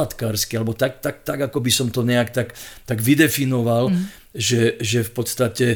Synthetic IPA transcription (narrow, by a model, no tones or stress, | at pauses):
at̪kaːɾskialɛbɔt̪ak̚t̪ak̚t̪aɡakɔbisɔmt̪ɔɲɛakt̪akt̪aɡʋid̪ɛfinɔʋal | ʒɛʒɛfpɔt̪st̪acɛ